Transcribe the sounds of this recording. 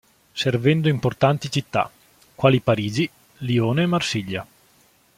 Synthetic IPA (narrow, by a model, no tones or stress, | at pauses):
servɛnd̪oimport̪ant̪it͡ʃit̪ːa̰ | kːwaːlipaɾiːd͡ʒi | lioːneːmːarsiʎːa